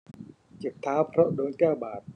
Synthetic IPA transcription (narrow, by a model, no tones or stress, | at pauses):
t͡ɕiət̪ʰːaːwpʰroʔɗoːɲkaɓaːt̪̚